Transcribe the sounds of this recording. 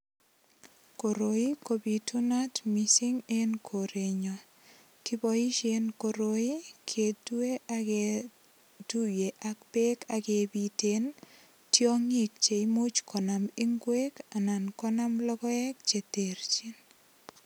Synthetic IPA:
ko˨ɾo˨i˦kobi˨tu˦na˦tmisi˦ŋe˦nkʰo˨ɾe˨ɲɔ | ki˦bɔi˦ʃe˦nko˨ɾoi˦kʰe˨tu˦e˦ʔake | tu˦je˨ʔak̚pe˦kakebiten | tjɔ˦ŋi˦k̚t͡ʃe˨imu˦t͡ʃkʰɔ˨na˨mi˦ŋɡwe˦ka˨na˨nkɔ˦na˦mlɔ˦kɔ˦ɛ˦k̚t͡ʃe˨teɾt͡ʃin

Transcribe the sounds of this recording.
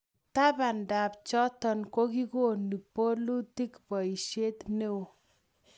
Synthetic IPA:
ta˦ba˨nda˨pt͡ʃɔ˦tɔ˨nko˦ki˦ko˦ni˨po˦lu˦ti˦kpɔ˨i˨ʃe˦t̪ne˦wo˨

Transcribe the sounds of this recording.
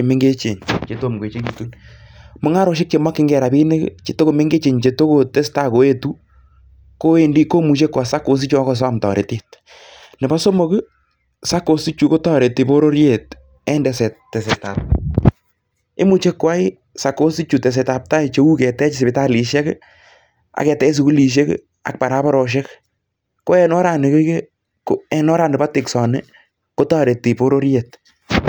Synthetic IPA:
e˨mɪ˦ŋɡe˦t͡ʃe˨ɲt͡ʃe˨to˦˨mɡe˨t͡ʃe˦ki˨tu˦nmʊ˨ŋa˦ɾɔ˨˦ʃ̬ɪ˦k̚t͡ʃe˨mwa˦kɪ˦ŋɡɛ˨ɾa˨bi˦nɪ˦kt͡ʃe˨to˦ko˨me˦ŋɡe˦t͡ʃe˨ɲt͡ʃe˧to˦ko˨tɛ˦sta˦ko˨e˦tu˦ | ko˦e˦ndi˦ko˦mu˨t͡ʃe˦kːwa˨sa˦ko˨˦s̬i˦t͡ʃa˦kɔ˦s̬a˦˨mtɔ̰˨ɾʔe˨te˦t̚ | nɛ˨ba˦so˦mo˦kɨ˦ | sa˦ko˨si˦t͡ʃu˨ko˦tɔ˦˨ɾe˨tɪ˨bo˦ɾo˦ɾje˨t | ɛ˦ndɛsɛttːɛ˨sɛtap̚ | ɪ̰˦mu˦t͡ʃe˦kwa˦ɪ˦ | sa˨ko˦sti˦t͡ʃu˨tɛ˨s̬ɛta˨p̚ta˦it͡ʃe˦u˦kɛ˨tɛ˦t͡ʃɪsɪ˨bɪta˦li˨ʃɛ˦k | a̰˨kɛ˨tɛ˦s̬ɪ˧ku˦li˨ʃ̬e˦k | a̰˨k̚pa˨ɾa˦pa˦ɾɔ˨ʃ̬ɛ˦k | ko˦ɛ˦nɔ˦ɾa˨nɪ˨ke˦ke˦ | ko˦ɛ˦nɔ˦ɾaː˨ndɪpa˦tɪksɔ˨nɪ | ko˦taː˦ɾe˨tːi˨po˦ɾo˦ɾjet̚

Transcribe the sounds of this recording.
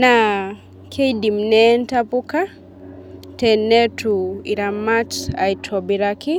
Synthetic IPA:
na | kʰe˦jdi˨mnɛntapu˦ka˦ | tɛnɛ˦tui˨ɾa˨ma˦ta̰˨jtʰɔbiɾaki˦

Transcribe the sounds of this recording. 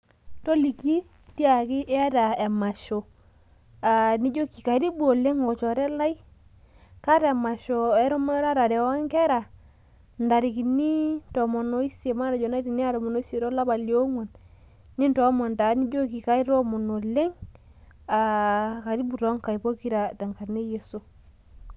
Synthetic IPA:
tɔ˦li˨ki˦ | ti˦a˨ki˦ʔɛ˦a˦ta˨ɛ˨ma˨ʃo˨ | a˨ni˦d͡ʒo˦ki˨ka˨˦ɾi˦bu˦o˨le˦ŋɔ˨t͡ʃɔ˨ɾɛ˦la˦i˦ | ka˦ɾɛ˨ma˨ʃo˨ɛ˦ɾɔ˦m˦ɾa˦ɾa˨ɾɛ˨wa˦ŋkɛ˦ɾa˨ | nda˨ɾi˨ki˨ni˦nto˨mo˨no˦i˦se˨ma˦na˨d͡ʒo˨na˦di˨ni˦a˦ɾo˨mo˨no˦i˦si˨ɾo˦la˦ba˨li˨o˦ŋo˨nː | i˦nto˨˦mo˨nta˨ni˦d͡ʒo˦ki˨ka˦i˦ɾo˦mo˨no˨le˦ŋ | a˨ka˨ɾi˦bu˨ɾo˦ŋka˨i˨po˦ki˦ɾa˨da˨ŋka˨ɾne˦je˨so˦

